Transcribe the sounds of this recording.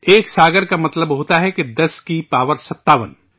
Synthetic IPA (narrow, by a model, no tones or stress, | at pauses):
eːksaːɡəɾkamɐt̪ləbɦoːt̪aɦɛked̪ɐskipaːʋəɾsɐt̪ːaːʋən